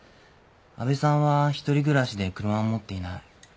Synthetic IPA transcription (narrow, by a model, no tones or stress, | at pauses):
a̰be̞sãɰ̃βaçi̥t̪o̞ɾʲiɡɯ̟ɾaɕid̪e̞kɯ̟ɾɯ̟mamo̞t̪ːe̞inai